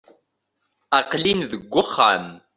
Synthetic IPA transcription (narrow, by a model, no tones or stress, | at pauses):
ɑqlinðəɡʷːʊχːa̰n